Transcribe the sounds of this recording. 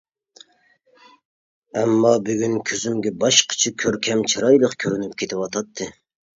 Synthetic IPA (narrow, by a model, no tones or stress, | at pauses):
ɛmːɑbyɡʲynkʲʰøzymɡʲɛbɑʃqʰə̥t͡ʃʰikʲʰøɾkʲʰɛmt͡ʃʰɨɾɑjlˠəqkʲʰøɾynyp̚kʲʰet̪ʰɪwɑt̪ʰɑt̪ʰːɨ